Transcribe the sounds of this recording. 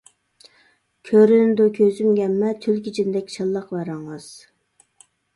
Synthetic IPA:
kʲʰøɾynd̪okʲʰøzymɡʲɛmːɛt̪ʰylkʲit͡ʃʰind̪ɛkʲt͡ʃʰɑlˠːɑqvæɾɑŋɑz̥

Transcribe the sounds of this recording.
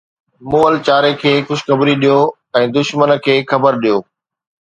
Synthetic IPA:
muːəlt͡ɕaːɾekʰeːxʊd͡ʑxɐbɾiɗijo | ɛ̃ːd̪ʊʃmənkʰeːxɐbəɾɗijoː

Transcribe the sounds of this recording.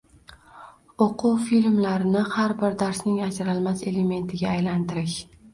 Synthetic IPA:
oqʰuwfilʲmlaɾɪnɪhaɾbɪɾd̪aɾsnɪŋad͡ʒɾalmase̞le̞me̞nt̪ʰɪɡʲaːjlant̪ɪɾɪʃ

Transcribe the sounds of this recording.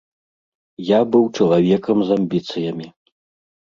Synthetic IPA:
jabɨwt͡ʂɐlˠavʲɛkɐmzɐmʲbʲit̪sɨjɐmʲi

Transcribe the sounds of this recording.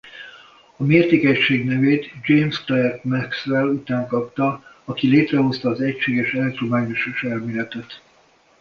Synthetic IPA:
ɒmeːrt̪eːkɛcʃeːɡnɛveːt̪d͡ʒejmst̪ɛɛrt̪mɛksvɛlut̪aːŋkɒpt̪ɒ | ɒkileːt̪rɛɦo̞st̪ɒːzɛcʃeːɡɛʃɛlt̪romaːɲoʃoʃɛlmeːlɛt̪ɛt̪

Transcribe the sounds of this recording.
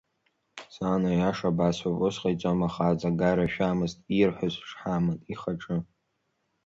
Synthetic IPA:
saːnojaʂabasapʼosqʼajt͡sʷʼamaχaːzʼaɡaɾaʃᶣaːmɨztʼirħʷazʷʂħamɨntʼiχaʈ͡ʂʼɨ

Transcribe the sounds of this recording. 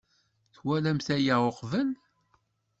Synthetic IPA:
θwælæmθæjaʁoqvən

